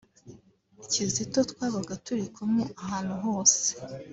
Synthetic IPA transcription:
icizito̞twaːβaɡatuɾikumuʔaɦaːn̥huɦo̞ːse

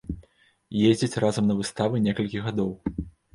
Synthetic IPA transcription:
jezʲd͡zʲit͡sʲrʔazɐmnɐvɨst̪avɨnʲɛkɐlʲkʲiɣad̪ɔw

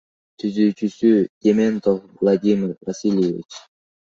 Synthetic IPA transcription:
t̪ʰyzyːt͡ʃysyj̥ʲement̪ofvlˠad̪ʲimʲɪɾvasʲilʲjevʲḭt͡ʃ

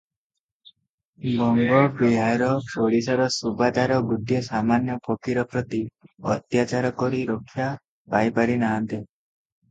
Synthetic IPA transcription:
bɔŋɡɔbiɦaɾɔpoɽisaɾɔsubad̪aɾɔɡudijɔsamanjɔpʰɔkiɾɔpɾɔt̪iɔt̪jat͡ʃaɾɔkɔɾiɾokʰːja | pajpaɾinaɦant̪e

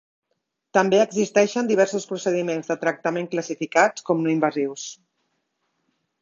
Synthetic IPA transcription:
t̪əmbeəɡzist̪ɛʃənd̪iβɛɾsuspɾusəðimenzðət̪ɾək̚t̪əmeŋkləsifikatkɔmnoimbəziws

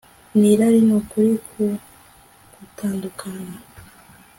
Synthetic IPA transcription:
niɾaɾinokuɾiku | kutaːndukʰana

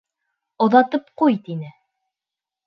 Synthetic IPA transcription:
ŏðɑt̪ɤp̚qujt̪inɘ

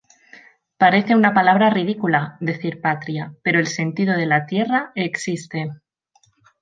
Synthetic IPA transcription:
paɾe̞θe̞unapalaβ̞ɾarið̞ikulaðe̞θiɾpat̪ɾjape̞ɾo̞e̞lse̞nt̪ið̞o̞ð̞e̞lat̪je̞raeksist̪e̞

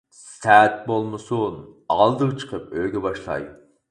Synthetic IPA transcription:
ssæt̪̚bolˠmɨsunɑlˠd̪əʁt͡ʃʰə̥qʰəpøɡʲɛbɑʃlˠɑ̰j

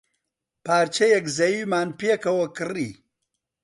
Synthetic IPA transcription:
paːɾt͡ʃɐjɛkzɐjiːmaːnpekɐwɐkɨriː

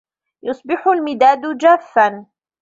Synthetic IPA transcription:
jʊsˤbɪħʊlmɪd̪aːd̪ʊd͡ʒaːfːan

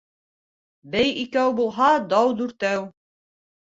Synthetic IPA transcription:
bæjikæwbulˠɦɑd̪ɑwd̪ʉɾt̪æw

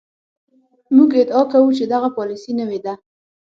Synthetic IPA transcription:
muɡɪd̪ɑkawut͡ʃed̪aɣapɑlisinəwed̪a

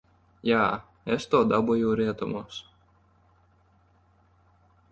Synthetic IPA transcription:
jaː | ɛst̪oːd̪ɑbujɛːɾʲiɛt̪ɔmɔːs

